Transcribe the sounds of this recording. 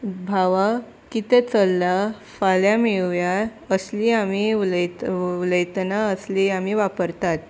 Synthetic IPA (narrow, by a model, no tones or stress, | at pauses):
bʱaʋa | kit̪et͡səlːa | faljameɭʋja | əsliamiləjuləjt̪naəsliamiʋapəɾt̪at̪